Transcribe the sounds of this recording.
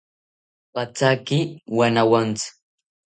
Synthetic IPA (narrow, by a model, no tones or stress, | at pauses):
pat͡sakɪwanawant͡sʊ̥